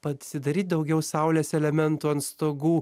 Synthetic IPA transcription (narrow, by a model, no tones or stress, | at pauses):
pɐsʲɪd̪ɐɾʲiːt̪̚ʲd̪ɐʊɡʲɛʊsɑˑʊlʲeːsɛlʲɛmʲɛnt̪uːɐnst̪oːɡuː